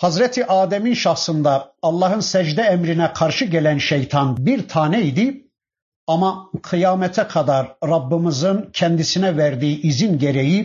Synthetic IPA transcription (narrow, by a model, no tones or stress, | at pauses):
hɑzɾɛt̪ʰiʔaːd̪ɛminʃɑxsɯnd̪ɑːlˠːɑɦɯnsɛd͡ʒd̪ɛæmɾinɛkʰɑɾʃɯɟɛlænʃejt̪ʰɑnbiɾt̪ʰaːnɛid̪i | ɑmɑqʰɯjɑːmɛt̪ʰɛkʰɑd̪ɑɾɾɑbːɯmɯzɯncʰɛnd̪isinɛvæɾd̪iːiʔizinɟeɾeji